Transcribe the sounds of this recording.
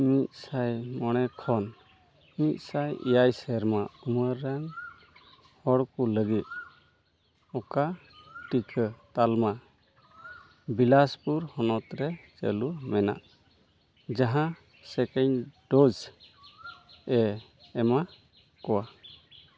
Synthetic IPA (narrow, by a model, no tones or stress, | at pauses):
mit̪̚ˀsajmɔɽ̃ɛkʰɔn | mit̪̚ˀsajḭjajsɛɾmauməɾːaŋ | hɔɽkuləɡit̪̚ | ɔka | ʈikʰət̪alma | bilaspuɾhɔnɔt̪ɾɛt͡ʃḛlumɛna̰ʔ | d͡ʒaɦã | sɛkɛɲɖɔd͡ʒ | ɛː | ma | kɔwa